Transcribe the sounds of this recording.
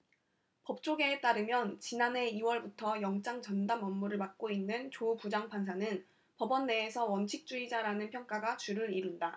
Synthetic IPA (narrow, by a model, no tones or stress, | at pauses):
pʌp̚t͡ɕ͈oɡet͈aɾɯmjʌnt͡ɕinane̞iwʌɭbutʰʌjʌŋt͡ɕ͈aŋt͡ɕʌndamʌmːuɾɯɭmak̚k͈oinːɯnt͡ɕopud͡ʑaŋpʰansʰanɯn | pʌbʌnːe̞ːsʰʌwʌnt͡ɕʰik̚t͡ɕ͈uid͡ʑaɾanɯnpʰjʌŋk͈aɡat͡ɕuɾɯɾiɾunda